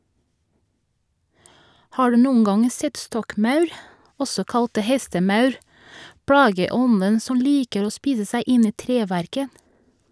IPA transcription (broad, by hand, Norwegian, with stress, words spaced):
ˈhɑː ˈɹʉː ˈnuːən ˈɡɑŋ ˈsɛt ˈstɔkˌmɑʉɾ ˈɔsɔ ˈkɑlt ˈhɛstəˌmɑʉɾ ˈpɹɑːɡəˌɔnən ˈsɔm ˈliːkəɾ ˈoː ˈspiːsə ˈsæɪ ˈɪn ˈiː ˈtɾeːˌʋæɾkə